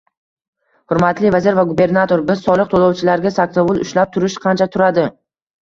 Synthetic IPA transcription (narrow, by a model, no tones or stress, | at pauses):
hʊɾmat̪lɪvazɪɾvaɡube̞ɾnat̪ʰo̞ɾbɪz̥sɒlˠɨq̚t̪ʰolˠɒwt͡ʃʰɪlaɾɡʲasak̚t̪avʊlˠʊʃlap̚t̪ʰʊɾɪʃqʰɑnt͡ʃʰat̪ʰʊɾad̪ɪ